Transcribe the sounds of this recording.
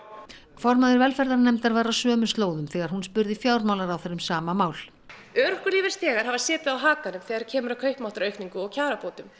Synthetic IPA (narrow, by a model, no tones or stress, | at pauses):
fɔɾmaðɪɾvɛlfɛɾðaɾnɛmt̪aɾvaːɾasœːmʏst̪loːwðʏmθɛːɣaɾhunspʏɾðɪfjaːwɾmaːwlaɾawθɛɾːʏmsaːmamaːwl | œɾhkʏɾliːvɛɾ̥st̪jɛːɣaɾ̥ɦhavasɛːt̪ɪawɦaːkanʏmθɛːɣaɾcʰɛːmʏɾawkʰœɥhpmawht̪ɾœɥkniŋkʏɔɣcʰaːɾapowt̪ʏm